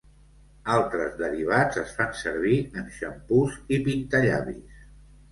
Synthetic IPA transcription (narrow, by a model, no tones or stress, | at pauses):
alˠt̪ɾəzðəɾiβ̞ad͡zəsfansəɾβ̞iənʃəmpuzipint̪əʎa̰βḭs